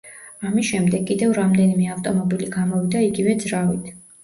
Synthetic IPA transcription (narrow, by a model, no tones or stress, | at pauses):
amisʃɛmd̪ɛɡʼid̪ɛvɾamd̪ɛnimɛaft̪ʼɔmɔbiliɡamɔvid̪aiɡivɛd̪zɾavit̪ʰ